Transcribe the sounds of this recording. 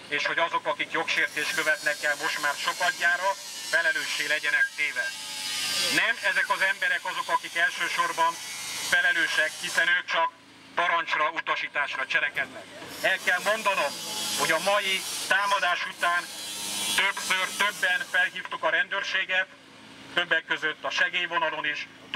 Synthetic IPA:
eːʃho̞ɟɒzo̞kɒkikjo̞kʃeːrt̪eːʃt̪̚køvɛt̪nɛkːɛlmo̞ʃt̪maːrʃo̞kɒɟːaːɾɒ | fɛlɛløːʃeːlɛɟɛnɛkt̪eːvɛ | nɛmɛzɛkɒzɛmbɛɾɛkɒzo̞kɒkikɛlʃøːʃo̞rbɒnfɛlɛløːʃɛkhisɛnøːk̚t͡ʃɒk | pɒɾɒnt͡ʃrɒut̪ɒʃiːt̪aːʃrɒt͡ʃɛlɛkɛd̪nɛkɛlkɛlmo̞nd̪ɒno̞mho̞ɟɒmɒjit̪aːmɒd̪aːʃut̪aːnt̪øbsørt̪øbːɛnfɛlɦiːft̪ukɒɾɛnd̪øːrʃeːɡɛt̪ː | øbːɛkːøzøt̪ːɒʃɛɡeːjvo̞nɒlo̞niːʃ | t̪

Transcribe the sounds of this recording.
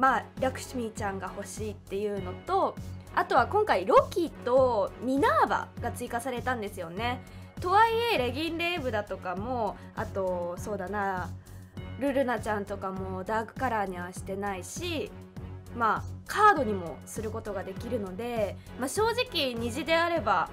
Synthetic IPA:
maɾʲakɯ̟̥ɕimʲit͡ɕãŋɡaho̞ɕiːt̪ːe̞jɯ̟ːno̞t̪o̞at̪o̞βakõ̞ŋkaiɾo̞kʲit̪o̞mʲinaːba̰ɡat͡sɨikasaɾe̞t̪ãnd̪e̞sɨjo̞ne̞ | t̪o̞aieɾe̞ɡʲĩnɾe̞ːbɯ̟d̪at̪o̞kamo̞ | a̰t̪o̞so̞ːd̪ana | ɾɯ̟ɾɯ̟nat͡ɕãnt̪o̞kamo̞d̪aːkɯ̟̥kaɾaːɲ̟iβaɕi̥t̪e̞naiɕi | makʰaːd̪o̞ɲ̟imo̞̰sɨɾɯ̟ko̞t̪o̞ɡad̪e̞kʲiɾɯ̟no̞d̪e̞ | maɕo̞ːʑikʲiɲ̟iʑid̪e̞aɾe̞ba

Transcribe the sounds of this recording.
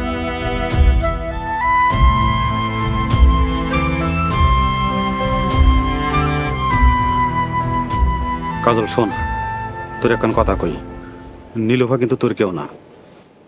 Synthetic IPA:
kazolson | t̪oɾɛkʰːankɔt̪ʰakoj | nilopʰakint̪ut̪oɾkewna̰

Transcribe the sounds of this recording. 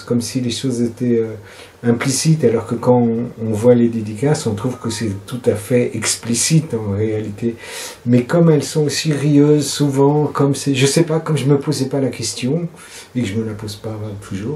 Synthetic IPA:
kɔmsileʃozet̪ɛø | ɛ̃plisit̪alɔʁkəkɑ̃ːvwaled̪ed̪ikasɔ̃t̪χuvkəsɛt̪ut̪afɛɛksplisit̪ɑ̃ʁealit̪e | mɛkɔmɛlsɔ̃osiʁiøzsuvɑ̃kɔmsɛʒəsɛpakɔmʒəməpozɛpalakʲɛst̪jɔ̃ | ekəʒəməlapozpat̪ʰuʒuːʁ

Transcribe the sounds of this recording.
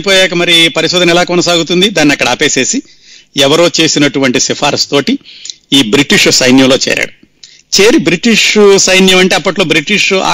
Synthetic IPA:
poːjaːkɐmɐɾipɐɾiʃud̪ʱɐnilaːkɔnɐsaːɡut̪und̪id̪aːnːiɐkːɐɽɐːpeːse̞ːsi | ɛʋɐɾo̞ːt͡ʃe̞ːsinɐʈuʋɐɳʈisifʰaːɾst̪oːʈi | iːbɾiʈiʂsɐjnjɐmlo̞ːt͡ʃɛ̰ːɾa̰ːɽu | t͡ʃe̞ːɾibɾiʈiʂsɐjnjɐmɐɳʈeːɐpːɐʈlo̞ːbɾiʈiʂa̰ː

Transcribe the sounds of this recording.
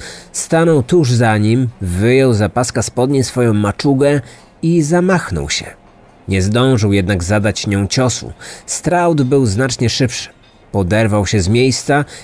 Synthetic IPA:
st̪anɔwt̪uʐzaɲimvɘjɔwzapaskaspɔd̪ɲisfɔjɔ̃w̃mat͡ʂuɡɛ | izamaxnɔ̰wɕɛ̰ | ɲɛzd̪ɔ̃w̃ʐɘwjɛd̪naɡzad̪at͡ɕɲɔ̃w̃t͡ɕɔsṵst̪ɾawd̪bɘwznat͡ʂɲɛʂɘpʂɘ̥ | pɔd̪ɛɾvawɕɛzmʲjejst̪sa

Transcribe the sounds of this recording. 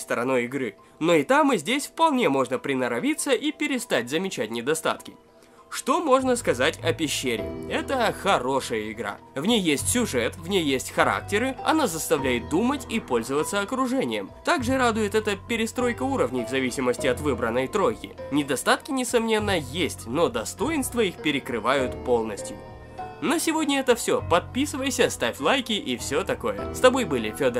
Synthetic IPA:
st̪əɾɐno̞jɪɡɾɨ | no̞ɪt̪amɨzʲdʲesʲfpɐlˠnʲe̞mo̞ʐnəpɾʲɪnəɾɐvʲit̪səʔipʲɪɾʲɪst̪atʲzəmʲɪt͡ɕætʲnʲɪd̪ɐst̪a̰t̪kʲɪ̥ | ʂt̪o̞mo̞ʐnəskɐzatʲɐpʲɪɕːeɾʲɪ̰ɛt̪əxɐɾo̞ʂɨjəɪɡɾa̰ | vnʲejːesʲtʲsʲʊʐɛt̪vnʲejjːesʲtʲxɐɾa̰k̚tʲɪɾɨɐ̰nazəst̪ɐvlʲæjɪt̪̚d̪umətʲipo̞lʲzəvət̪səɐkɾʊʐɛnʲɪjəmt̪aɡʐɨɾad̪ʊjɪt̪ɛt̪əpʲɪɾʲɪst̪ɾo̞jkəuɾəvnʲɪjvzɐvʲisʲɪməsʲtʲɪɐt̪vɨbɾənːəjt̪ɾo̞jkʲɪ̰nʲɪd̪ɐst̪at̪kʲɪnʲɪsɐmnʲe̞nːəjesʲtʲno̞d̪ɐst̪o̞jɪnst̪vəixpʲɪɾʲɪkɾɨvajʊt̪po̞lˠnəsʲtʲjʊ | nosʲɪvo̞dʲnʲəɛt̪əfsʲɵpɐt̪̚pʲisɨvəjsʲəst̪afʲlˠajkʲɪʔifsʲot̪ɐko̞jə̰st̪ɐbo̞jbɨlʲɪfʲod̪ə

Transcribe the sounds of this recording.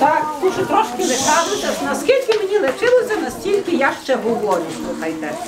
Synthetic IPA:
t̪ɑkt̪uʃʊt̪ɾɔʃkʲɪlɪkɑʒɪsʲɐnɐskʲilʲkʲɪmenʲilˠɪt͡ʃɪlˠɔsʲɐnɐsʲtʲilʲkʲɪjaʃt͡ʃɛɦʊʋɔɾʲʊslˠuxɐjt̪ɛ

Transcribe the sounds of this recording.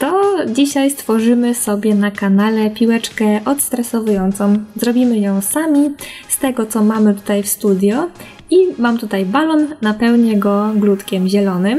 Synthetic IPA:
t̪ɔd͡ʑiɕajst̪fɔʐɘmɘsɔbʲjɛnakanalɛpʲiwɛt͡ʂkɛʔɔt̪st̪ɾɛsɔvujɔnt̪sɔ̃w̃zɾɔbʲimɘjɔ̃w̃samʲist̪ɛɡɔt̪sɔmamɘt̪u̥t̪ajfst̪ud̪ʲjɔ | imamt̪ut̪ajbalɔnːapɛwɲɛɡɔɡlut̪kʲɛmʑɛlɔnɘm

